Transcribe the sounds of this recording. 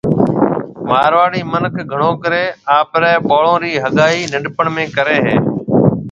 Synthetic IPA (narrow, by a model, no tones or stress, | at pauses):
maːɾʋaːɽiːmənkʰɡʱəɳõːkəɾeːaːpɾɛːɓoːɭõːɾiːɦəɠaːiːnɪɖpəɳmẽːkəɾeːɦeː